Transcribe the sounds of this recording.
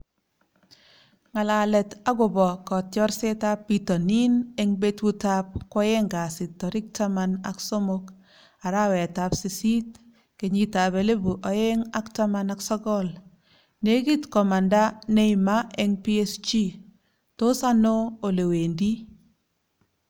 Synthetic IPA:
ŋa˨la˨lɛ˨ta˦ɡo˨bɔ˨kɔ˨tjɔ˦ɾse˦ta˦pːi˨tɔ˨ni˦ne˦ŋbe˦twu˦ta˦p̚kɔ˦je˦ŋɡa˨sɪ˨tːɔ˨ɾɪ˦k̚ta˦ma˦na̰˨kso˦mo˦k | a˨ɾa˦wɛ˨ta˨psi˨si˦t̚ | ke˨ɲi˨ta˨be˨le˦bu˨ʔɔ˨je˦ŋa˦kta˦ma˦na˨ksɔ˦ɡɔ˦l | ne˦ɡi˦tkɔ˨ma˨nda˦ne˦ima˦e˦ŋpi˦e˦st͡ʃi˦ | to˦sa˦no˦o˨le˨we˨ndi˦

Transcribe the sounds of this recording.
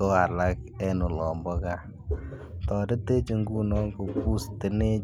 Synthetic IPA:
o˦a˨la˦k̚ɛ˦nʊ˨lɔ˨mbɔ˦ka˦ | tɔ˨ɾɪ˦te˦t͡ʃe˨ŋɡu˦nɔ˦ko˨pu˦stɪ˨˦ne˦

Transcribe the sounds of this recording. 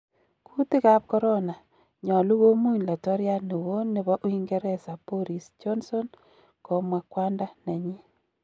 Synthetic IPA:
kʰu˦ti˦ka˦p̚kɔ˦ɾo˦na˨ | ɲɔ˨lu˦wo˦mu˦ɲla˨tɔ˦ɾja˦ne˨wo˦nɪ˦βɔ˦ʔo˦i˦ŋɡe˦ɾɛ˦˨sa˨po˦ɾi˨sd͡ʒɔ˦nso˦n | ko˨mwa˨kwa˦nda˦ne˨ɲi˦

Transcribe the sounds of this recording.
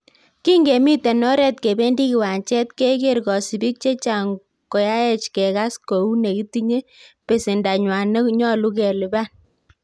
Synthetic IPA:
ki˦ŋɡe˨mi˦te˨nɔ˦ɾɛ˨t̚ke˨be˦ndi˦ki˨wa˨nt͡ʃɛ˦t̚ke˦ke˦ɾɡɔ˨si˨bi˦k̚t͡ʃe˦t͡ʃa˨ŋ | ko˨ja˦ɛ˨t͡ʃkɛ˨ka˦sko˨u˦ne˨ki˦ti˦ɲe˦ | pe˨si˨nda˨ɲwa˨ne˦kɲɔ˦lu˦kɛ˨lɪ˨ba˦n

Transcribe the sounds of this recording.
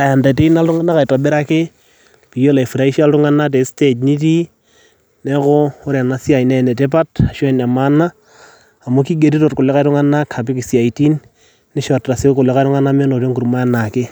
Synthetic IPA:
a˨ja˨nda˨te˦i˦na˦ltʊ˦ŋa˦nːa˦ka˨ɪta˨bɛ˦ɾa˦kɪ˦ | pi˨jo˦la˨i˨fu˨ɾa˦i˦ʃa˦ltʊ˦ŋa˦na˦t̬e˨ste˨t͡ʃni˦t̬i˦ | nɛ˦kɔ˦ʊ˦ɾa˨na˨sja˨inɛnɛ˨te˦p̬a˦ta˨ʃɛ˦na˨ma˦nːaː˦˨ | mo˦ki˦ɡe˨ɾi˦tɔ˨t̚kʊ˨lɛ˦ka˦ɾʊ˦ŋa˦na˦kʰa˨p̬ɪ˦kɪ˨sja˨iti˦nː | ɪ˦ʃɔtːa˨se˦kʊ˨lɛ˦ka˦jtʊ˦ŋa˦na˦mɛ˦nɔ˨to˦ŋku˨ɾma˦a˦na˨kɪ˦

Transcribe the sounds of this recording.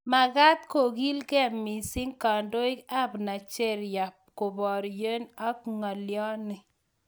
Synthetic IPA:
ma˨ɣa˦t̪̚ko˨ɡi˦lkɛ˦˨mi˨si˦ŋka˨ndo˦ɪ˦ka˦˨bna˨t͡ʃe˦˨ɾja˨p̚ko˨bɔ˨ɾje˦na˦kŋa˨ljɔ˦nɪ˨

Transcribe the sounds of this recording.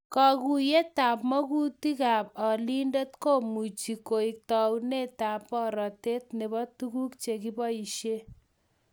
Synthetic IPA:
kɔ˧ɡu˨je˦t̪a˨pmɔ˦ɡu˦t̪i˦ka˨bɔ˨li˦nde˦t̪ko˦˨mu˨t͡ʃi˨ko˨ik̚t̪ɔwne˦t̪a˨pːɔ˦ɾɔ˨t̪e˦t̪ne˨bɔ˦t̪u˦ku˦kt͡ʃe˨ki˦pʌ˦i˨ʃe˦

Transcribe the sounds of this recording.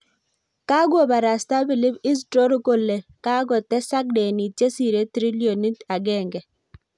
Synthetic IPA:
ka˦ɡo˨ba˨ɾa˨sta˦bɪ˨lɪ˦bɪ˦s̬tɾo˦ɾo˦ko˦lːe˨ka˦ɡɔ˨tɛ˦sa˦k̚dɛ˨ni˨t͡ʃe˦si˨ɾe˦t̪ɾi˦lio˨ni˦ta˨ɡɛ˦˨ŋɡɛ˨

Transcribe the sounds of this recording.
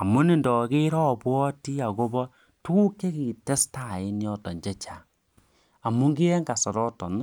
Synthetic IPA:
a˨mu˦ni˦˨ndɔ˨ke˦ɾɔ˦˨pwɔ˦ti˦a˨ko˦bɔ˦ | tu˦ku˦ke˦ki˨tɛ˦sta˨ɪ˦njɔ˦tɔ˨ɲd͡ʒɛ˦t͡ʃa˨ | a˨mu˦ŋɡi˦ɛ˦ŋɡa˨sɔ˨ɾɔ˦tɔ̰˨n˦

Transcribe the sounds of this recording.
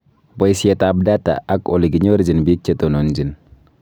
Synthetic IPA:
bo˦jsi˦etab̚data̰a˦ko̰˨li˨ɡi˨ɲo˦ɾd͡ʒi˨nbi˦k̚t͡ʃetonond͡ʒi˨n

